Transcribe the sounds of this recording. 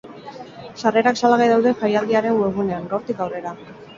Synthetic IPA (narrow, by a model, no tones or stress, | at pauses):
sare̞ɾaksalaɣajðawðe̞fajald̪iaɾe̞ŋɡweɣune̞aŋɡawɾt̪ikawre̞ɾa